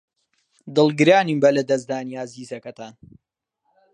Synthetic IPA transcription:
d̪ɨlˠɡɨɾaːniːmbɐlɐd̪ɐzd̪aːniaziːzɐkɐt̪aːn

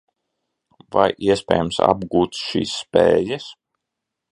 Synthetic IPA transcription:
va̰jʔiɛspʲɛ̰ːjmsa̰bɡuːt̪ʃḭːsːpɛːjəs

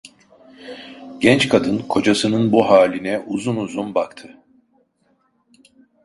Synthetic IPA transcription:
ɟɛnt͡ʃkʰad̪ɯnkʰo̞d͡ʒasɯnɯnbuɦaːlʲinɛʔuzunuzunbakt̪ʰɯ

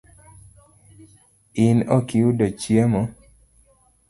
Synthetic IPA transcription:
ɪnɔkiudot͡ʃjemɔ

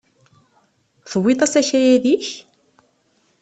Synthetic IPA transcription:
θəwːit̪ˤɑsæçæjæðiç

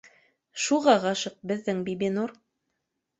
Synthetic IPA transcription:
ʃuʁɑʁɑʃɤq̚bɘ̆ðːɘŋbibinuɾ

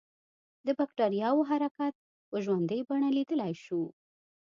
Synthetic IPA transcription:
d̪əbakʈɑɾijɑwoɦaɾakat̪̚ | pəʒwand̪əjbaɳalid̪əlajʃu

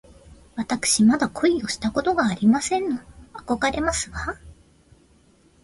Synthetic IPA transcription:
βat̪akɯ̟̥ɕimad̪akʰo̞io̞ɕi̥t̪ako̞t̪oɡaːɾʲimasẽ̞nːoako̞ɡaɾe̞masɨɡa

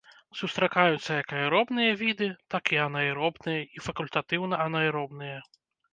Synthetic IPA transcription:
sust̪ɾakajut̪sːɐjɐkɐjɾɔbnɨjɐvʲid̪ɨt̪akiɐnɐjɾɔbnɨjɐifɐkulʲt̪at̪ɨwnɐɐnɐjɾɔbnɨjɐ

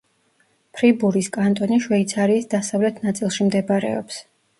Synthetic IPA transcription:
pʰɾibuɾiskʼant̪ʼɔniʃwɛit̪sʰaɾiːsd̪asavlɛt̪ʰnat̪sʼilˠʃimd̪ɛbaɾɛ̰ɔ̰ps

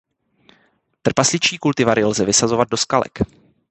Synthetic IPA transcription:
t̪r̩paslɪt͡ʃiːkult̪ɪvaɾɪlzɛvɪsazo̞vad̪̚do̞skalɛ̰k

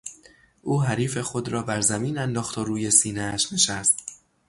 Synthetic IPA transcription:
ʔuːɦæɾiːfe̞xo̞d̪ɾɒːbæɾzæmiːnænd̪ɒːxt̪ʰoɾuːje̞siːneæʃne̞ʃæst̪̚

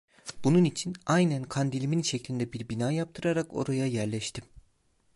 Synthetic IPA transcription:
b̥ununit͡ʃʰinajnænkʰand̪ilʲiminʃɛclʲind̪ɛbiɾbinaːjap̚t̪ʰɯɾaɾako̞̰ɾajajæɾlʲɛʃt̪ʰim

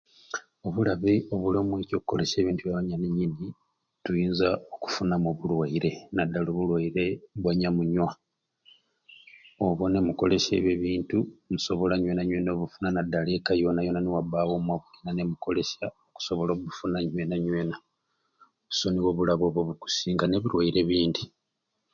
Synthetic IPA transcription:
o̞βulaβio̞βulomweco̞kuko̞̰le̞se̞ːβiːntuβjaβaɲaniɲini | tujiːnzaoku̥funamoβulwaiɾe̞nadːaloβulwaiɾe̞βwaɲamuɲwa | oβwo̞ne̞muko̞le̞se̞̰βeβiːntumuso̞βo̞laɲwe̞naɲweno̞ːβufunanadːalekajo̞najo̞naniwaβawo̞mwaβuɡinanemuko̞le̞saoku̥so̞βo̞loβufunaɲwe̞ːnaɲwe̞ːna | oβu̥so̞niwo̞βulaβo̞ːβwoβuku̥siːŋɡane̞βiɾwaiɾe̞βiːndi

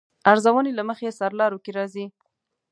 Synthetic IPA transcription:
aɾzawənelaməxesaɾlɑɾokeɾɑzi

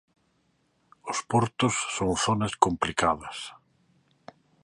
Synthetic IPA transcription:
ʊspɔɾt̪ʊsːoŋθonɐskomplikaðɐs

